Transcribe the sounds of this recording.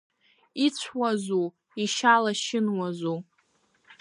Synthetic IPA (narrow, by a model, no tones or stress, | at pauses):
it͡ɕʷʰwazu | iʃalaʃɪnwazu